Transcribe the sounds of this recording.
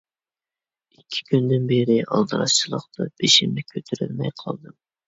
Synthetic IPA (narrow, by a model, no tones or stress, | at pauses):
ikʲʰːi̥kʲʰynd̪ɪnbeɾɪʔɑlˠd̪ɨɾɑʃt͡ʃʰilˠəqt̪ɑb̥eʃimnɪkʲʰøt̪ʰyɾylmɛjqʰɑ̰lˠd̪ɨm